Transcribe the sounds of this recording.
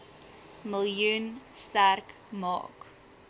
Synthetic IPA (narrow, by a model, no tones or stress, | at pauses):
məljunstærk | mɑ̰ːk